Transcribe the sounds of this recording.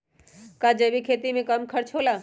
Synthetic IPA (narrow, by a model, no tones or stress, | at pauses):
kad͡ʒəbikʰet̪imẽkəmkʰəɾt͡ʃʰola